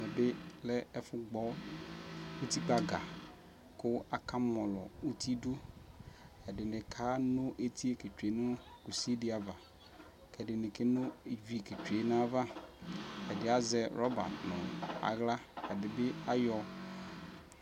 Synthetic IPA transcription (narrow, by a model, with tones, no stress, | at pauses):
mɛ̃˨be˦lɛ˦ɛ˦fʊ˦ɡ͡bɔ˦ | wu˦t̪i˦k͡pa˦ɡa˨ | kʊ˦a˨ka˦mɔ̃˨lɔ̰˨u˦t̪ʰi˦du˦ | ɛ˨ɖɪ˨nɪ̃˨kʰa˦nʊ̃˦ʔe˨t̪ʰi˦e˦ke˨t͡ʃe˨nʊ̃˦ku˨si˦di˦a˨va˨ | kɛ˨ɖɪ˨nɪ̃˨ke˦nʊ̃˦˨vi˨ke˨t͡ʃu˨e˨nã˦va˦ | ɛ˨dɪ˨˦a˨zɛ˨ɾɔ˦ba̰˨tnʊ̰̃˨a̰˨ɣla˦kɛ˨dɪ˨be˦a˦jɔ˨